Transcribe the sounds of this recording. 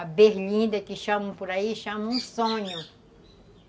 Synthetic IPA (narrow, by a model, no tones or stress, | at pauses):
abeɾlĩnd̪ɐkiʃãmũpuɾaiʃãmũsõɲu